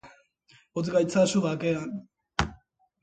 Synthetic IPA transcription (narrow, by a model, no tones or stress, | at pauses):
ot̪ɡajt͡sasuɣakean